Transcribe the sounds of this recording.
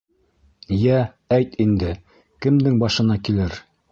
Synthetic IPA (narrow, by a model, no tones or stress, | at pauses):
jæ | æjt̪ind̪ɘ | kɘ̆md̪ɘŋbɑʃɤ̆nɑkilɘɾ